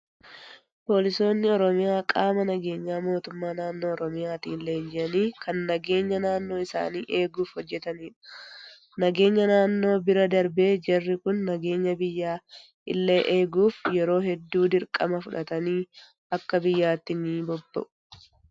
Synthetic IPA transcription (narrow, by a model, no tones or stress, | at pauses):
po̞ːlɪso̞ːnːɪɔɾɔmɪjaːkʼaːmɐnɐɡe̞ːɲːaːmo̞ːt̪ʊmːaːnaːnːo̞ːɔɾɔmɪjaːt̪iːlːeːnd͡ʒɪʔɐniːkɐnːɐɡe̞ːɲːɐnaːnːo̞ːɪsa̰ːniːʔe̞ːɡuːfhɔd͡ʒːɛt̪ɐniːᶑɐ̥ | nɐɡe̞ːɲːɐnaːnːo̞ːbɪɾɐd̪ɐɾbe̞ːd͡ʒɐrːɪkʊnːɐɡe̞ːɲːɐbɪjːaː | ɪ̰lːe̞ːʔeːɡuːfjɛɾo̞ːhɛd̪ːuːd̪ɪɾkʼɐ̰mɐfʊᶑɐt̪ɐniː | ɐkːɐbɪjːaːt̪ːɪniːbɔbːɐ̰ʔʊ̥